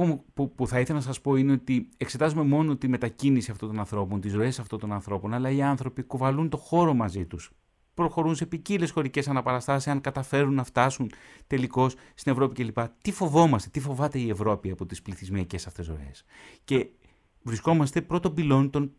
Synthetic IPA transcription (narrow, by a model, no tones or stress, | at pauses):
pupuθɐiθe̞lɐnɐsɐspo̞ine̞o̞t̪iekse̞t̪ɐzume̞mo̞no̞t̪ime̞t̪ɐcinisiɐft̪ont̪o̞nɐnθɾo̞po̞nt̪izɾo̞e̞sɐft̪o̞nt̪o̞nɐnθɾo̞po̞nɐlɐiɐnθɾo̞pikuvɐlunt̪o̞xo̞ɾo̞mɐzit̪us | pɾo̞xo̞ɾunse̞picile̞sxo̞ɾice̞sɐnɐpɐɾɐst̪ɐsisɐŋkɐt̪ɐfe̞ɾunːɐft̪ɐsunt̪e̞liko̞sst̪ine̞vɾo̞pice̞lipɐt̪ifo̞vo̞mɐst̪e̞t̪ifo̞vɐt̪e̞ie̞vɾo̞piɐpo̞t̪ispliθizmiɐce̞sɐft̪e̞zɾo̞̰e̞̰sce̞ | vɾisko̞mɐst̪e̞pɾo̞t̪o̞bilo̞nt̪o̞n